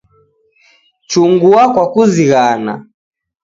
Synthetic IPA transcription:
t͡ʃuŋɡuakwakuziɣana̰

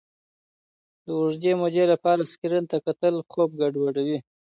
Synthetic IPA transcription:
d̪əʊʐd̪emod̪elapɑɾaskiɾənt̪akat̪əlxob̚ɡaɖwaɖawi

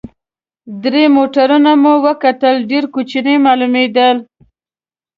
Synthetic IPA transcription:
d̪ɾemoʈaɾunamuwəkat̪əlɖeɾkut͡ʃinemɑlumed̪əl

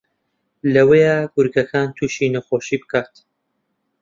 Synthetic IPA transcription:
lɐwejaɡʊɾɡɐkʰaːnt̪ʰuːʃiːnɐxoːʃiːbɨkʰaːt̪

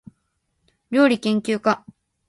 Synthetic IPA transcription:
ɾʲo̞ːɾʲikẽ̞ŋkʲɨːka

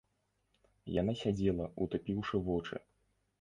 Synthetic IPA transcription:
janasʲad͡zʲɛlˠɐut̪upʲiwʂɨvɔt͡ʂɨ̰

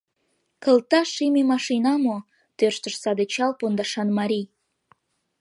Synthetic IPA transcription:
kə̆lt̪ɑʃimemɑʃinɑmo | t̪ørʃt̪əʃsɑd̪et͡ɕɑlpond̪ɑʃɑnmɑɾʲij

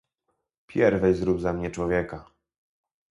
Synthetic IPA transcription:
pʲjɛɾvɛzɾubzamɲɛt͡ʂwɔvʲjɛka

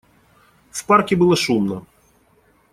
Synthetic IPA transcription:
wpɑrkʲibɨlˠɐʃumnɐ

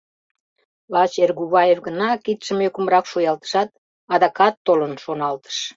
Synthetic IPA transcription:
lɑt͡ɕerɣuβɑjefɣənɑkit̪ʃəmekumɾɑkʃojɑlt̪ə̥ʃɑt̪̚ | ɑd̪ɑkɑt̪ːolənʃonɑlt̪ə̥ʃ

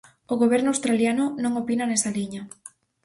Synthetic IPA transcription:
oɣoβ̞ɛɾnʊawst̪ɾaljanʊnõŋopinɐnɛsɐliɲɐ

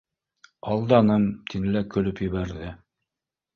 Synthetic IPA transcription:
ɑlˠd̪ɑnɤmt̪ʰinɘ̆lækɵ̆lɵpjɘ̆βæɾðɘ

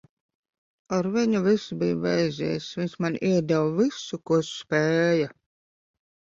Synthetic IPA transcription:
aɾviɲuvisubijuvɛjzʲḭːsviɲsmanʔiɛd̪awvisukuɔspɛːja

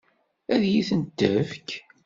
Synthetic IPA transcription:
æðjiθənd̪ːəfk

